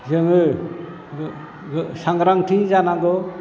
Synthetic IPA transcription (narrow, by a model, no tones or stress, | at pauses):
zɯŋɯ | saŋɾaŋtʰizanaɡɔ